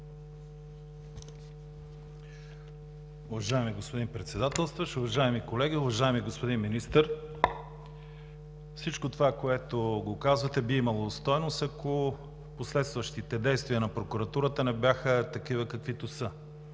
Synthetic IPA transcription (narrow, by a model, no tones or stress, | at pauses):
ʊvɐʒaɛmiɡospod̪inpɾɛt̪sɛd̪at̪ɛlˠst̪vəʃʊvɐʒaɛmikolɛɡʲiʊvɐʒaɛmiɡospod̪inminist̪əɾ | fsit͡ʃkot̪ovakoɛt̪oɡokazvət̪ɛbiimɐlˠost̪ɔjnosɐko | poslɛt̪st̪vɐʃt̪it̪ɛd̪ɛjst̪viənɐpɾokʊɾɐt̪uɾət̪ənɛbjaxət̪ɐkivəkɐkvit̪osə